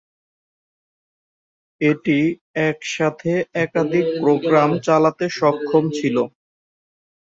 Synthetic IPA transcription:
eʈi | ɛkʃat̪ʰeɛkad̪ʱik̚pɾoɡɾamt͡ɕalat̪eʃɔkʰːomt͡ɕʰilo

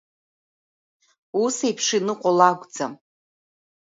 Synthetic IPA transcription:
usejpʰʂɪnɨqʷʼolaɡʷd͡za

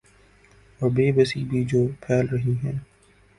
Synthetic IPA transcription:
ɔːɾbeːbəsibʱid͡ʒoːpʰɛːlɾɐɦiɦɛ̃ː

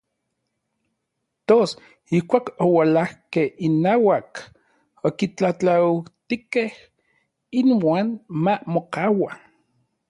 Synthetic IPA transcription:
t̪os | ihkʷaːkowalahkehinaːwak | okit͡ɬat͡ɬaut̪ikeh | inwaːnmamokaːwa

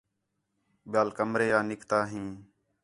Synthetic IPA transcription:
ɓɪjaːlkəmɾeːaːnɪkt̪aːɦĩː

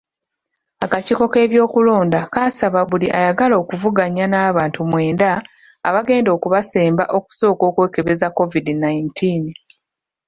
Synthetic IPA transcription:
akaciko̞ke̞ːβjo̞ːkulo̞ːndakaːsaβaβuliʔa̰jaɡalo̞ːkuvuɡaɲanaːβaːntumwe̞ːnda̰ː | βaɡe̞ːndo̞ːkuβase̞ːmba̰ʔo̞ku̥so̞ːko̞ːkwe̞ːke̞βe̞zakːo̞vidinajintʰiːn

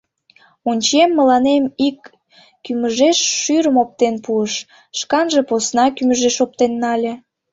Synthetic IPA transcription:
unʲt͡ɕemːəlɑnemikː | yməʒeʃːyɾəmop̚t̪enpuəʃ | ʃkɑnʒeposnɑkyməʒeʃop̚t̪enːɑlʲĕ

